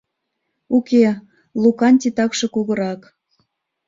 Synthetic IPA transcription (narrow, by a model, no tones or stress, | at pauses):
ukʲe | lˠukɑnʲt̪ʲit̪ɑkʃɤ̆kuɣɤ̆ɾɑk